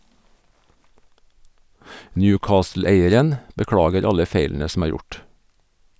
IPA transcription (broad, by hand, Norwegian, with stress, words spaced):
ˈnjʉːˌkɑːsl̩ˌeɪəɾən bəˈkɽɑːɡəɾ ˈɑlə ˈfeɪln̩ə sm̩ ˈæːɾ ˈjʊʈ